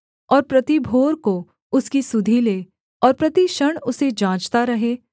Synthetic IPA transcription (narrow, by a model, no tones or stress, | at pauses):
ɔːɾpɾɐt̪ibʱoːɾko | ʊskisʊd̪ʱileː | ɔːɾpɾɐt̪iʃɐɽ̃ʊsed͡ʒãːt͡ʃt̪aɾɐɦeː